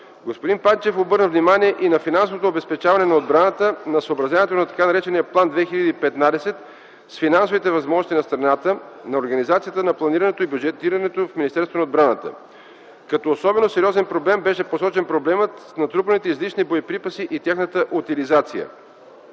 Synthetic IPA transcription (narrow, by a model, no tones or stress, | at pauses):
ɡospod̪inpat̪it͡ʃɛfobɤɾnəvnimaniɛʔinɐfinansovot̪oːbɛspɛt͡ʃavɐnɛnɐod̪bɾanət̪ənɐsoobɾɐzʲanɛt̪onɐt̪ɐ̥kanɐɾɛt͡ʃɛnijəplˠand̪vɛxilʲɐd̪iipɛt̪nad̪ɛsɛt̪ | sfinansovit̪ɛvɐzmɔʒnost̪inɐst̪ɾɐnat̪ənɐoɾɡɐnizat̪sijət̪ənɐplˠɐniɾɐnɛt̪oibʲjud͡ʒɛt̪iɾɐnɛt̪ofminist̪ɛɾsvonɐod̪bɾanət̪ə̰ | kɐt̪ɔosɔbɛnosɛɾiɔzɛnpɾoblɛmbɛʃɛposɔt͡ʃɛnpɾoblɛmət̪snɐt̪ɾupənit̪ɛizliʃnibojipɾipəsiʔit̪ʲjaxnət̪əʔut̪ilizat̪sijə̰